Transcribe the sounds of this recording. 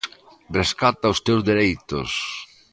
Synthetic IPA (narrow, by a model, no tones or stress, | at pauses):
reskat̪aʊst̪ewzðeɾejt̪ʊ̰s